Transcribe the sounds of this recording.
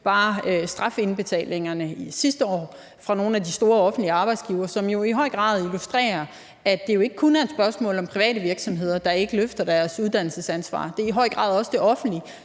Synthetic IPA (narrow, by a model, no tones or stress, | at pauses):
b̥ɑ̈ːsd̥ʁɑ̈fe̝nb̥e̝t͡sʰɛ̰ːleŋɐnəisisd̥əɒ̰ː | fʁɑ̈no̝ːn̩æd̥isd̥o̝ːɐɒ̽fn̩d̥liəɑ̈ːb̥ɑ̈ɪd̥sɡ̥iʊɐsɒ̽mjo̝iɦɒ̽ɪ̰ɡ̥ʁɑ̰̈ːðˠilusd̥ʁɛ̰ːɐ | æd̥e̝jo̝e̝ɡ̥əkʰunæɐed̥sb̥ɶɐsmɔ̰̽ːlɒ̽mpʰʁiʋɛ̰ːɾəʋiɐɡ̥sɒ̽mɦe̝ð̞̰ˠɐd̥ɑ̈e̝ɡ̥əløfd̥ɐd̥æɐsuðˠd̥æn̰l̩səsænsʋɑ̰̈ːd̥e̝iɦɒ̽ɪɡ̥ʁɑ̈ːð̞ˠɒ̽sd̥e̝ʔɒ̽fn̩d̥li